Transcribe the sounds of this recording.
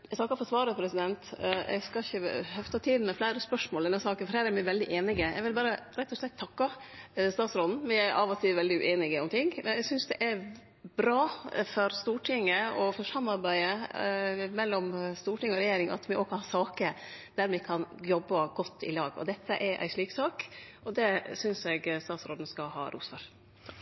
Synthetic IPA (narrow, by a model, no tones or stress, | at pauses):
ɛsnɑkːɑfɔsʋɑːɾəpʰɾɛsɪd̪ɛnt̪ɛ̰ɡskɑɪçəhœft̪ʰɑt̪ʰiːd̪n̩mɛflæɪɾəspœʂmoːld̪ɛnːɑsɑːkənfɔɾhæːɾæɾmɪʋɛld̪ɪʔeːnɪɡəɛ̰ɡʋɪlbɑːɾəɾɛt̪ːɔʂlɛt̪ʰːɑkːɑst̪ɑːt̪sɾɔln̩mɪæɾʔɑ̰ʋɔt̪ʰɪʋɛld̪ɪʉ̰ʔeːnɪɡəɔmt̪ʰɪŋːmʔɛnɛɡsʏnsd̪ɛʔæɾ | bɾɑːfɔɾst̪uːʈʰɪŋːəɔfɔʂɑmːɑɾbæɪə | mɛlːɔmst̪uːʈɪŋəɔɾɛjeːɾɪŋɑ̰t̪mɪʔɔkhɑʂɑːkəɾd̪̥æɾmɪkʰɑnjɔbːɑɡɔt̪ʰːɪ̰lɑːɡɔ̰d̪ɛt̪ʰːə̰ʔɛɾʔæ̰ɪʂɭiːksɑːkʔɔd̪ɛsʏnsɛɡst̪ɑːt̪sɾoːd̪n̩skɑhɑ̰ːɾʔṵːsfɔɾ